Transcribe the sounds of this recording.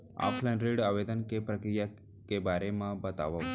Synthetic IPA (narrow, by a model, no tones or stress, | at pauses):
a̰pʰlanɾiɽaʋed̪ənkepɾəkɾija | kebaɾemãbət̪a̰ʋa